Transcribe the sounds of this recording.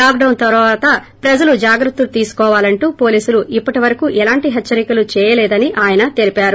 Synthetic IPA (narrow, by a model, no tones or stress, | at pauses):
laːkɖɐwnt̪ɐɾʋaːt̪ɐ | pɾɐd͡ʒɐlud͡ʒaːɡɾɐt̪ːulut̪iːsu̥kɔːʋaːlɐɳʈuːpoːliːsuluʔipːɐʈiʋɐɾɐkuʔɛlaːɳʈiɦɛt͡ʃːɐɾikɐlut͡ʃɛːjɐlɛːd̪ɐniʔaːjɐnɐt̪e̞lipaːɾu